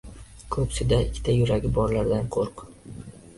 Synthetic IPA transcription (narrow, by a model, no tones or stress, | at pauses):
kʰɵpsɪd̪aɪkʲʰːɪ̥t̪ʰajʊɾaɡʲɪbɒɾlaɾd̪anqʰoɾq